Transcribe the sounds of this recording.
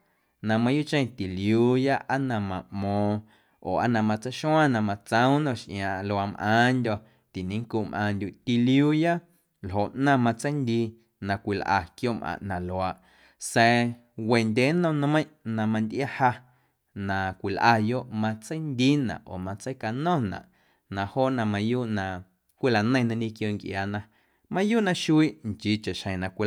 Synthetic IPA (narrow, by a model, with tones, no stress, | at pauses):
nã˧mã˧ju˦ʔt͡ʃẽ˦˨t̪i˨liuː˧˦ja˦ʔa˦nã˧mã˨mɔ̃ː˧ | oː˨a̰˦nã˧mã˧t͡sə˦jʃw̃ã˦nã˨mã˧t͡sə̃˦w̃nɔ̃˦˧˨ʃʔj̃ãː˨ʔlo˧a˧mʔã̰ː˨˦ndʲɔ˧ | t̪i˨nĩ˨˦ŋku˧˨mʔãː˧nd̪ʲu˨ʔt̪i˧ljuː˦ja˦ | lɦo˨ʔnã˦˧˨mã˧t͡sə˦jnd̪iː˧ | nã˨kʷi˨lʔa̰˧kjo˦˨mʔã̰˨ʔnã˨lo˨a˧˨ʔ | sɛ˧ | we˨nd̪ʲeː˨˦nɔ̃˧nã˧mə̃˦ʔnã˧mã˧nd̪ʲʔa˦ha˧ | nã˨kʷi˨lʔa˧jo˦ʔmã˧t͡sə˦jnd̪i˦nã̰˨ʔo̰ː˨mã˧t͡sə˦jka˧nɔ̃˦˨nã̰˨ʔ | nã˧˨hoː˦˨nã˧mã˧juː˦ʔnã˧ | kʷi˦la˨nə̃˦ĩ˨˧nã˧nĩ˦kjo˧˨ŋkʔjaː˨nã˧ | mã˧juː˦ʔnã˧ʃu˦i˦˨ʔŋt͡ʃi˨˧t͡ʃe˨ʃhə̃˨nã˨kʷi˧